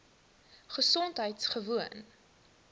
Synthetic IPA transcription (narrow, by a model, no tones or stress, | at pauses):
χəsɔntɦəjtsχəvuən